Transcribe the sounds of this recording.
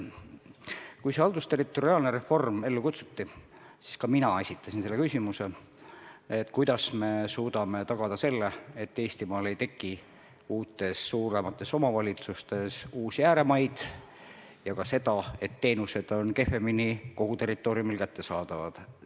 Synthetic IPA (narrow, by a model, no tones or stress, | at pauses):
kujse̞ɑld̪ust̪e̞rit̪ːˑo̞ɾiɑːlneɾe̞fo̞rme̞lːukut̪su̥t̪ːisi̥skɑminɑe̞sʲit̪ːˑɑsinse̞lːekysʲimuse̞ | et̪ːˑkujd̪̥ɑsme̞suːd̪ɑme̞t̪ɑɡ̥ɑd̪̥ɑse̞lːe̞et̪ːe̞ːsʲt̪imɑːle̞jt̪e̞kːˑi | uːt̪ːˑe̞sːuːɾe̞mɑt̪ːˑe̞so̞mɑvɑlʲit̪sust̪e̞suːsjæːɾe̞mɑjd̪̥ | jɑkɑse̞d̪ɑe̞t̪ːe̞ːnuse̞d̪̥o̞nke̞fe̞miniko̞ɡ̥ut̪e̞rːˑit̪ːˑo̞ːɾiumilkæt̪ːe̞sɑːd̪̥ɑvɑ̰d̪̥